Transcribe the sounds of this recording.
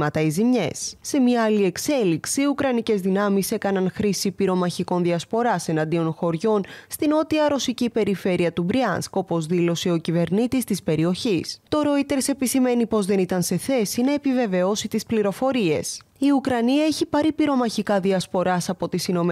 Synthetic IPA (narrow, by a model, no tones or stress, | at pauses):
mɐt̪ɐizimɲḛsːe̞mɐːlie̞kse̞liksiːukɾɐnice̞zðinɐmise̞kɐnɐnxɾisipiɾo̞mɐçiko̞nðiɐspo̞ɾɐse̞nɐnd̪io̞nxo̞ɾʝo̞nst̪ino̞t̪iɐɾosicipe̞ɾife̞ɾiɐt̪ubɾiɐ̰nsko̞po̞zðilo̞seo̞cive̞ɾnit̪ist̪ispe̞ɾio̞çist̪o̞ɾo̞it̪e̞ɾse̞pisime̞nipo̞zðe̞nit̪ɐnse̞θe̞sinɐepive̞ve̞o̞sit̪ispliɾo̞fo̞ɾie̞̰s | iukɾɐniɐe̞çipɐɾipiɾo̞mɐçikɐðiɐspo̞ɾɐsɐpo̞t̪isino̞m